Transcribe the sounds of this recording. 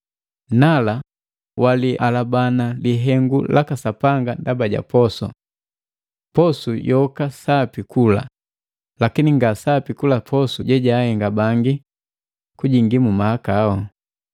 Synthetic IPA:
nala | waliʔalabanaliɦɛŋɡulakasapaŋɡandabaɟa̰pɔsɔ̰ | pɔsujɔkasapikula̰ | lakiniŋɡasapikulapʰɔsuɟɛɟaːhɛŋɡabaŋɡi | kuɟiŋɡimumaakaːɔ

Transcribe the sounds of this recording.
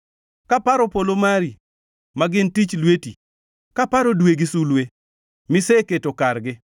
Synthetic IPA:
kapaɾopolomaɾi | maɡɪntit͡ʃlweti | kapaɾodweɡɪsulwe | mɪseketokarɡɪ

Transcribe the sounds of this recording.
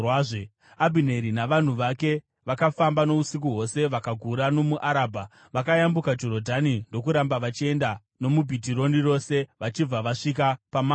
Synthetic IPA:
ʐ | abʱine̞ɾinaʋan̤uʋake̞ | ʋakafambano̞usik̬uɦwo̞se̞ʋakaɡʱuɾano̞muʔaɾaːbʱa | ʋakajambukad͡ʒo̞ɾo̞dʱanindo̞kuɾambaʋat͡ʃie̞nda | no̞mubʱitiɾo̞niro̞se̞ʋat͡ʃib͡vaʋaʂik̬apamaː

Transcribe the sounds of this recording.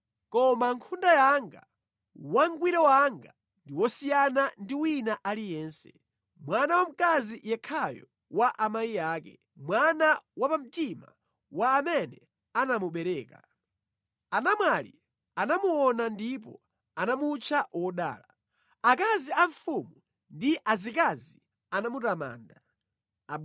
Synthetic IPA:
kɔmaŋkʰundajaŋɡa̰ | waŋɡwiɾɛwaŋɡa | ndiwɔsijanandiwinaʔalijɛːnsɛ̥ | mwanawam̩kazijɛkʰajɔ̰ | waʔamajiaːkɛ̰ | mwanawapam̩tima̰ | waːmɛnɛ | anamuɓɛɾɛːka̰ | anamwalḭ | anamuɔnandip̬ɔ̰ | anamut͡ʃʰawɔɗa̰ːla | ak̬aziaɱfumu | ndiʔazikazi | anamutama̰ːnda

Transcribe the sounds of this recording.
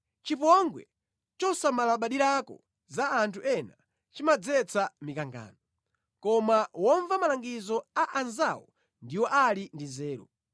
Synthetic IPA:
t͡ʃip̬ɔŋɡwɛ̰ | t͡ʃɔsamalaɓaɗiɾakɔ̰ | zaːntʰuʔɛna | t͡ʃimad͡zɛt͡sʰamikaŋɡa̰ːnɔ | kɔmawɔɱvamalaŋɡizɔaʔanzawɔ̰ | ndiwɔʔalindizɛːɾɔ̰

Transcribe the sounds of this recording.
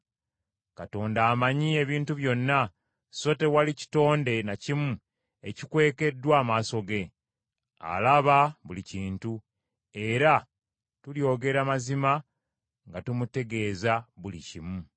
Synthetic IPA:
kato̞ːndaːmaɲie̞βiːntuβjo̞nːa | so̞te̞walici̥to̞ːnde̞nacimu | ecikwe̞ːke̞dːwaːmaːso̞ɡe̞ | a̰laβaβuliciːntu | e̞ɾa | tuljo̞ːɡe̞ɾamazima | ŋɡatumute̞ɡe̞ːzaβulḭcimu

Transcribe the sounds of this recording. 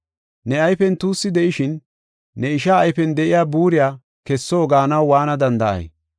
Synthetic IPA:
nɛɐjfɛnt̪uːsːɪd̪ɛʔɪʃɪnː | ɛɪʃaːjfɛnd̪ɛʔɪjaːbuːɾɪjaː | kɛsːoːɡaːnɐwwaːnɐd̪ɐnd̪ɐʔɐ̰j

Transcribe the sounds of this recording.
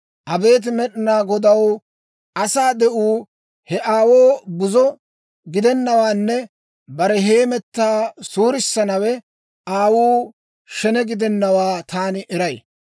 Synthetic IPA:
ʔɐbe̞ːt̪̬ɪmɛɗɪnaːɡɔd̪ɐw | ɐsaːd̪ɛʔuː | hɛʔaːwoːbʊzɔ | ɡɪd̪ɛnːɐwaːnːɛ | bɐɾɛɦe̞ːmɛt̪ːaːsuːɾɪsːɐnɐwɛ | ʔaːwuː | ʃɛnɛɡɪd̪ɛnːɐwaːt̪aːnɪʔɛɾɐj

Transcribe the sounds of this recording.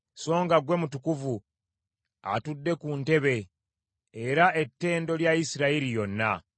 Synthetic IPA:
so̞ːŋɡaɡwe̞mutukuvu | a̰tudːe̞kunte̞βe̞ː | ɾae̞tːe̞ːndo̞ljaisiɾaiɾijo̞nːa

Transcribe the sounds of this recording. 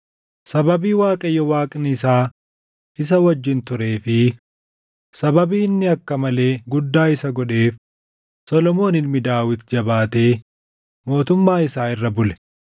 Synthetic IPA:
sɐbɐbiːwaːkʼɐjːɔwaːkʼnɪɪsaː | ʔɪs̬ɐwɐd͡ʒːɪnt̪ʊɾe̞ːfɪ | sɐbɐbiːɪnːɪɐkːɐmɐle̞ːɡʊd̪ːaːɪsɐɡɔᶑe̞ːf | sɔlɔmo̞ːnɪlmɪd̪aːwɪt̪d͡ʒɐbaːt̪e̞ː | mo̞ːt̪ʊmːaːɪsaːɪrːɐbʊlɛ̥

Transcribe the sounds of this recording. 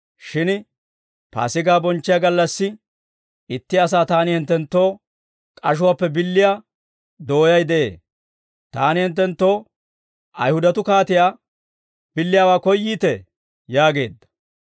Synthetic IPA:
ʃɪn | pa̰ːsɪɡaːbɔnt͡ʃːɪjaɡɐlːɐsːɪ | ɪt̪ːɪɐs̬aːt̪aːnɪhɪnt̪ːɛnt̪ːo̞ː | kʼɐʃ̬ʊwaːpːɛbɪlːɪjaː | d̪o̞ːjɐjd̪ɛʔḛː | t̪aːnɪhɪnt̪ːɛnt̪ːo̞ː | ʔɐjhʊd̪ɐt̪ʊkaːt̪ɪjaː | b̥ɪlːɪjaːwaːkɔjːiːt̪ɛ | jaːɡe̞̰ːd̪ːɐ̥

